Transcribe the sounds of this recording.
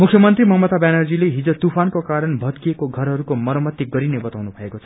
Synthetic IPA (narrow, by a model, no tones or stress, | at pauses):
mukʰjʌmʌnt̪rimʌɦʌmʌt̪abjanʌrd͡zileɦid͡zot̪upʰankokaɾʌnbʱʌt̪kiekoɡʱʌɾɦʌɾukomʌɾʌmʌt̪ːiɡʌɾinebʌt̪awnubʱʌekot͡sʰʌ